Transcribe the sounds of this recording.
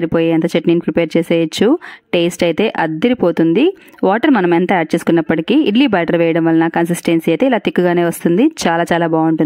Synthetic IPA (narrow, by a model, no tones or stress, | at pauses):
ɐɾipo̞ːjiɐnt̪ɐt͡ʃeʈniːnpɾipeːɾt͡ʃeːseːjɐt͡ʃːuʈeːsʈɐjt̪e̞ːʔɐd̪ːiɾipoːt̪und̪i | ʋaːʈɐɾmɐnɐmɛnt̪ɐaːʈ̚t͡ʃeːsu̥kunːɐpːɐʈikiiɖliːbaːʈɐɾʋɛːjɐɽɐmʋɐlɐnakɐnsisʈensiɐjt̪e̞ːilaːt̪ikːuɡaːne̞ːʋɐst̪und̪it͡ʃaːlaːt͡ʃaːlaːbaːuɳʈuni